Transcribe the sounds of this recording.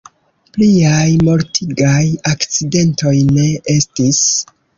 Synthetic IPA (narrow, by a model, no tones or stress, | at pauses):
pliajmo̞ɾtʰiɡajakt͡side̞nto̞jne̞e̞stis